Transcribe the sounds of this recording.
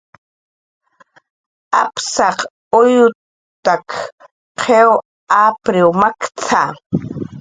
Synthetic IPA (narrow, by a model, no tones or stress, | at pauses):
a̰psɑq | ʊjʊ | t̪ak | qʰew | apɾɪwmakt͡sʰa